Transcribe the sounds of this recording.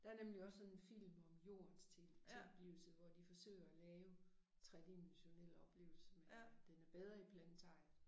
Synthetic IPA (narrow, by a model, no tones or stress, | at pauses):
d̥ɑ̈æɐnemliɒ̽sːɒ̽ne̝nfil̰mɒ̽mjo̝̰ːɐnst͡sʰe̝lʰe̝ɒb̥liʊl̩səʋɒd̥ifɒ̽sø̰ːɪɐælɛːʊ | t͡sʰʁad̥imæɕo̝nel̰ɒ̽b̥le̝ːʊl̩səmed̥enæɐb̥eð̞ˠʁɐipʰlænt͡sʰɑ̈ɪ̰